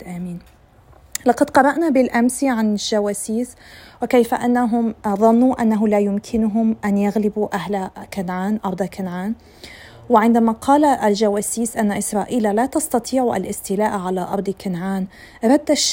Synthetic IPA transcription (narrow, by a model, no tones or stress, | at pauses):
ʔaːmiːn | lɑqɑd̪qɑɾˤɑʔnabɪlʔamsiʕanɪlʒ̥awaːsiːswɪkejfaʔanːaɦʊmðˤɑnːuʔanːaɦʊlaːjʊmkʰɪnʊɦʊmʔanjaɣlɪbuʔahlakanʕaːnʔɑɾˤd̪ˤɑkɪnʕaːn | wɪʕɪnd̪amaqʰɑːlaʔlʒawaːsiːsʔanːaʔɪsɾˤɑːʔiːlalaːt̪ɑst̪ɑt̪ʰˤiːʕuʔa̰lʔɪst̪ɪlaːʔʕalaʔɑɾˤd̪ˤkɪnʕaːn | ɾˤɑd̪ːaʃ